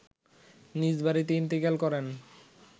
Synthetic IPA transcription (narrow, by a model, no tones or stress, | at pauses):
nid͡ʑbaɾit̪int̪ikalkɔɾen